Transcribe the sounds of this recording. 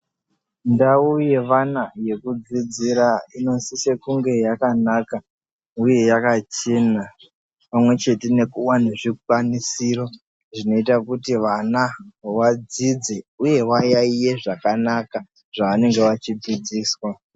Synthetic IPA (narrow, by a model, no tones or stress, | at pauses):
ndauje̞ʋanaje̞kud͡zid͡ziɾaino̞nsise̞kuŋɡe̞jakanaka | uje̞jakat͡ʃe̞na | pamwe̞t͡ʃe̞te̞ne̞kuwaneʐik̚wanisiro̞ | ʐino̞itakutiʋanawad͡zid͡zeuje̞wajaije̞ʐakanaka | ʐ̥aːne̞ŋɡe̞ʋat͡ʃid͡zid͡ziːswa